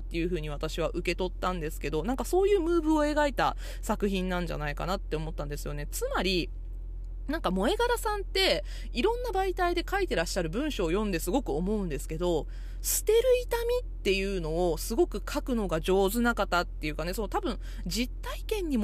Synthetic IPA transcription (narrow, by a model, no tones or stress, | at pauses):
t̪ːe̞jɯ̟ɸɯ̟ːɲ̟iβ̞at̪aɕiβ̞aʔɯ̟ke̞t̪o̞t̪ːãnd̪e̞sɨ̥ke̞d̪o̞nãŋkaso̞ːjɯːmɯ̟ːbɯ̟o̞e̞ɡait̪a | sakɯ̟çĩnːãɲ̟d͡ʑa̰naika̰nat̪ːe̞omo̞t̪ːãnd̪e̞sɨjo̞ne̞t͡sɨmaɾʲi | nãŋkamo̞e̞ɡaɾasãnt̪e̞ | iɾõ̞nːabait̪aid̪e̞kait̪e̞ɾaɕːaɾɯ̟bɯ̟̃ɰ̃ɕo̞ːjõ̞nd̪e̞sɨɡo̞kɯ̟omo̞ɯ̟̃nd̪e̞sɨ̥ke̞d̪o̞ | sɨ̥t̪e̞ɾɯ̟it̪amʲit̪ːe̞jɯ̟ːno̞ːsɨɡo̞kɯ̟kʰakɯ̟no̞ɡaʑo̞ːzɨnakat̪ːat̪ːe̞jɯ̟kane̞sonot̪abɯ̟̃ɴ | d͡ʑit̪ːaikẽ̞ɲ̟ːim